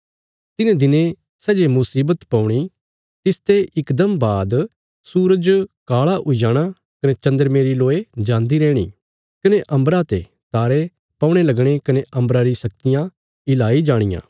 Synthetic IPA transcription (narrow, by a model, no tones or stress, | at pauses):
t̪ɪnãd̪ɪnẽ | sɛːd͡ʒemʊsiːbət̪pɐ̃ũɽ̃i | t̪ɪst̪eɪkd̪əmbaːd̪ | suːɾəd͡ʒkaːɭaʔʊid͡ʒaːɽ̃a | kɐnet͡ʃɐ̃nd̪əɾmeːɾiloːed͡ʒãːnd̪iɾɛːɽ̃ḭ | kɐneʔɐ̃mbɾat̪e | t̪aːɾe | pɐ̃ʊɽ̃elɐɡɽ̃ekɐneʔɐ̃mbɾaɾisɐk̚t̪ɪjã | ɪlaːid͡ʒaːɽ̃ɪjã̰ː